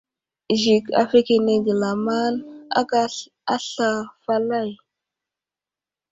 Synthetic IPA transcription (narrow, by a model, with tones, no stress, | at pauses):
ʒi˨ka̰˨fe˦ke˨ne˨ɡi˨la˨ma˦na̰˦ka˦ | a˦ɬa˨fa˦la˦˨j